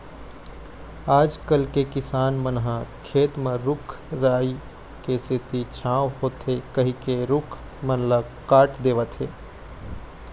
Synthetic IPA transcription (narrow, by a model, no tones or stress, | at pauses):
aːd͡ʒkəlkekɪsaːnmənɦãkʰeːt̪mẽɾʊkʰ | ɾaːi | kesɪt̪it͡ʃʰãːʋhoːt̪ɦekəɦĩkeɾʊkʰ | mənlə | kaːʈʰd̪eːʋət̪ɦeː